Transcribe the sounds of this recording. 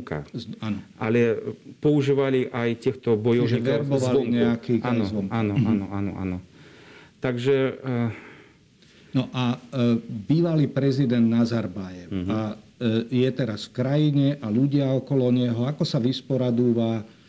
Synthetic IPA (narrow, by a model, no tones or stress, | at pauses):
ka̰zanɔʔalɛpɔuʒiːʋaliʔajt̪ɪɛxt̪ɔbɔjɔʒɛɛɾbɔʋaliɲɛakiːkazʋɔmanɔanɔa̰nɔ̰ʔa̰nɔ | t̪aɡʒɛ | nɔʔa | biːʋaliːpɾɛzid̪ɛnd̪nazaɾbajɛʊa | jɛt̪ɛɾasfkɾajiɲɛʔaʎuɟɪaɔkɔlɔɲɛɦɔakɔsaʋispɔɾad̪uːʋa